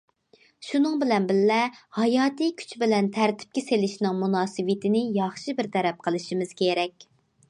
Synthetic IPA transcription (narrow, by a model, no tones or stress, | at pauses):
ʃunɨŋbɪlɛnbɪlːɛhɑjɑːt̪ʰijkʲʰy̥t͡ʃbɪlɛnt̪ʰæɾt̪ʰɪ̥p̚kʲeselɪʃnɨŋmunɑːsɨwɨt̪ʰɪnɪjɑχʃibɪɾt̪ʰɛɾɛp̚qʰəlˠɨʃimɪz̥kʲʰeɾɛkʲ